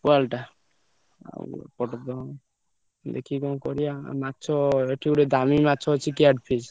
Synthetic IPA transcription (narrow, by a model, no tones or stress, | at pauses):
pualʈa | a̰pɔʈd̪ɔ | d̪ḛkʰikɔ̃kɔɾija̰matːt͡ʃʰɔeʈʰiuɽed̪ʱamimatːt͡ʃʰɔt͡ʃʰikiaɖpʰis